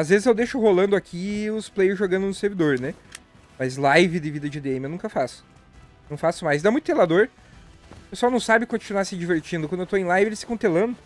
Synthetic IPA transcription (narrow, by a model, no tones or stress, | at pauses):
azvezɪzewd̪eʃʊɦolɐ̃nd̪ʊakʰiʊsplejʊʒoɡɐ̃nd̪ʊnʊseɾvid̪oɾnɛ | mɐzlajvɪd̪ɪvid̪ɐd͡ʒɪd̪eẽmɪewnũkɐfasʊ̥ | nɐ̃w̃fasʊmajzd̪amũj̃t̪ʊt̪elad̪oɾ | peswawnɐ̃w̃sabɪkõt͡ʃinwaɾsɪd͡ʒiveɾt͡ʃĩnd̪ʊkɐ̃d̪ewt̪oẽj̃lajvɪelɪsɪkɐ̃w̃t̪elɐ̃nd̪ʊ